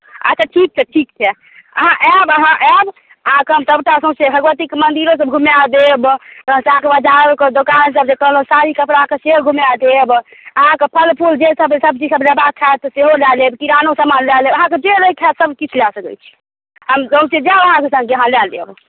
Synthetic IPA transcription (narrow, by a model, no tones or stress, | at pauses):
ə̰t͡ʃʰaʈʰik̚t͡ʃʰɛʈʰikt͡ʃʰɛ | ə̰ɦãʔɛbəɦãʔɛb | əɦãkeəmsəbʈasə̃sebʱəɡʋət̪ikmənd̪iɾos̬əbɡʱumjad̪ebt̪sãkebəd͡ʒaɾoked̪okansəb̚sekəɦlɦũsaɾikəpɽakeseɡʱumjad̪ebəɦãkepʰəlpʰuld͡ʒesəbsəb̚t͡ʃisəbləbakʰat̪ɔseɦolalebkiɾanosəmanlɛlebəɦãked͡ʒeɾəikʰɛsəbkit͡ʃʰlasəkɛ̰t͡ʃʰi̥ | ɦəmsə̃ũsed͡ʒabəɦãkesə̃ŋɡeəɦãlɛlḛb